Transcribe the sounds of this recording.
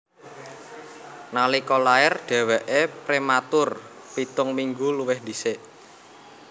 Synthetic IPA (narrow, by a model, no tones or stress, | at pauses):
nalikɔlaɪrɖ̥ɛ̤wɛʔepɾemat̪ʊr | pit̪ʊŋmiŋɡuluwɪhd̪iseʔ